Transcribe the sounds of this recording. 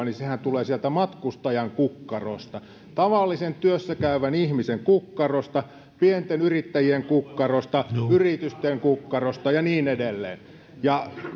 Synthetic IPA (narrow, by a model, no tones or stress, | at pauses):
nisehænt̪uleːsielt̪æmɑt̪kust̪ɑjɑŋkukːɑro̰st̪ɑ | t̪ɑʋɑlːisent̪yøsːækæyʋænihmiseŋkukːɑrost̪ɑ | pient̪enyrit̪ːæjieŋkukːɑrost̪ɑyrit̪yst̪eŋkukːɑrost̪ɑjɑniːnedelːḛːn | jɑ